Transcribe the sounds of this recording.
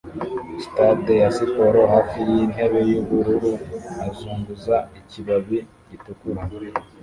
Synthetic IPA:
sitadejasipo̞ɾoɦaːfijin̥he̞βe̞juβuɾuɾuazuːŋɡuzaiciβaβi | ɟitukuɾa

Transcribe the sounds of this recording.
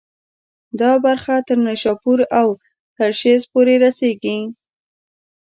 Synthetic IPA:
d̪ɑbaɾxat̪əɾnaʃɑpuɾaw | t̪əɾʃezpoɾeɾaseɡi

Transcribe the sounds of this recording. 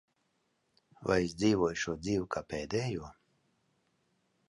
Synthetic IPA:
va̰jisd̪ziːvuɔjʃuɔd̪ziːwkʰaːpɛːd̪ɛjuɔ

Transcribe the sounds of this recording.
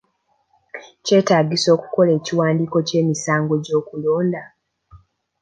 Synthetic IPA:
ce̞ːtaːɡiso̞ːku̥ko̞le̞ːciwaːndiko̞ce̞ːmisaːŋɡo̞ɟo̞ːkulo̞ːnda

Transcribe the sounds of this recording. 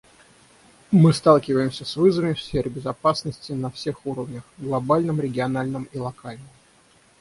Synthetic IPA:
mɨst̪alˠkʲɪvəjɪmsʲəsvɨzvəmʲɪfsʲfʲerbʲɪzɐpasnəsʲtʲɪnɐfsʲe̞xuɾəvnʲəxɡlˠɐbalʲnɨmɾʲɪɡʲɪɐnalʲnɨmilˠɐkalʲnɨm

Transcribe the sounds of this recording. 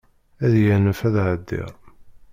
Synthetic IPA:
æðjænəfæðʕəd̪ːḭʁ

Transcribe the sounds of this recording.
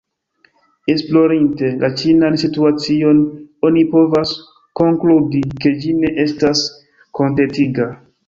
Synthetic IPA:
esplo̞ɾinte̞lʔat͡ʃinansituat͡sio̞no̞nipo̞vas | ko̞ŋkludike̞d͡ʒine̞ʔe̞stas | kʰo̞ntetiɡa

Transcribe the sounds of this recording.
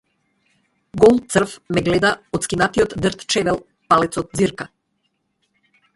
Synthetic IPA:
ɡɔlˠt̪sər̩fmɛɡlɛd̪aɔt̪skinat̪ijɔt̪d̪ərt̪t͡ʃɛvɛlˠ | palɛt̪sɔt̪̚ziɾka

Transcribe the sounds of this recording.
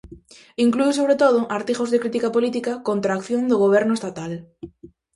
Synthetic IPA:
iŋkluɪsoβɾet̪oð̞ʊʔaɾt̪iɣozðekɾit̪ikapolit̪ikakont̪ɾaːkθjoŋd̪oɣ̞oβ̞ɛɾnʊest̪at̪al

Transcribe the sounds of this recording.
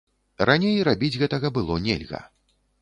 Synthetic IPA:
ranʲejɾabʲid͡zʲɣɛt̪ɐɣɐbɨlˠɔnʲɛ̰lʲɣɐ̰

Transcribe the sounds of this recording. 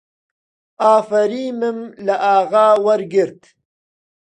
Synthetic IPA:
aːfɐɾiːmɪmlaʔaːɣaːwɐɾɡɪɾt̪

